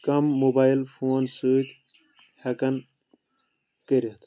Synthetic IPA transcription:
kɐmːubaːilfoːnsuːkʲ | hɐkɐn | kəɾit̪

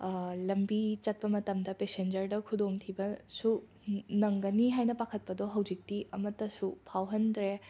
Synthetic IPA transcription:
lɐmbit͡ʃɐt̚pɐmɐtɐmdɐpesend͡ʒɐɾdɐkʰudomtʰibɐsu | nɐŋɡɐniɦajnɐpakʰɐt̚pɐdoɦɐwd͡ʒik̚tiɐmɐtːɐsupʰawɦɐndɾe

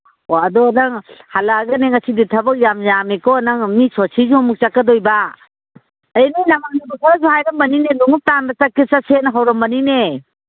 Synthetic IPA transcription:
oadɔnaŋhalaɡaneŋasiditʰɐbɐk̚jamzamekɔnaŋmisɔsʰizumuk̚t͡ʃakːadɔjba | əjnijnamaŋ̚nubukʰazuhajɾɐmbɐninenuŋup̚tandat͡ʃakːisasenɦawɾɔmbɐnine

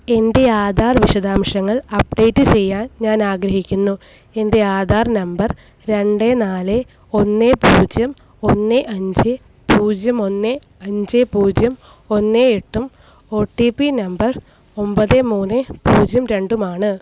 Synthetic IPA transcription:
e̞nde̞aːd̪aːrʋiʂɐd̪aːmʂɐŋːɐɭɐp̚ɖe̞ːtːɨt͡ɕe̞jːaːnɲaːnaːɡɾɐɦikʲːunːu | e̞nde̞jaːd̪aːrnɐmbɐr | ɾe̞ɳɖenaːle | o̞nːepuːd͡ʑjɐm | o̞nːeʔɐɲd͡ʑɨ | puːd͡ʑjɐmo̞nːe | ɐɲd͡ʑepuːd͡ʑjɐm | o̞nːeeʈːum | o̞ːʈːipːinɐmbɐr | o̞mbɐðemuːnːɨpuːd͡ʑjɐmɾe̞ɳɖumaːɳɨ

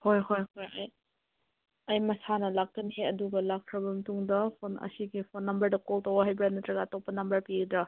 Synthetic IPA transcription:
hojɦojɦojɐj | ɐjmɐsanɐlak̚tɐnheɐduɡɐlakkʰɾɐbɐmɐtuŋdɐpʰonɐ̰siɡipʰonːɐmbɐɾdɐkɔltɐwɐɦajbɾanɐtɾɐɡatɔpɐnɐmbɐɾpiɡd̪ɾɐ

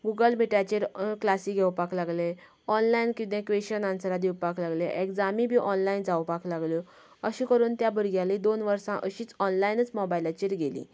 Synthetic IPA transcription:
ɡuɡəlmiʈat͡ɕiɾklasiɡʱewpaklaɡle | ɔnlainkit̪ẽkʋeɕənãnsəɾad̪iwpaklaɡleʔekd͡zamĩbʱiːʔɔnlaind͡zawpaklaɡljo | əɕĩkəɾuːnt̪jabəɾɡjaled̪onʋəɾsãʔəɕiːt͡sɔnlainət͡smɔbailat͡ɕiɾɡelḭ̃

